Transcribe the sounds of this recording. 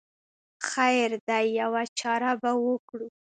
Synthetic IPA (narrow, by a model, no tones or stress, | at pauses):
xajɾd̪ajːawat͡ʃɑɾabawəkɽu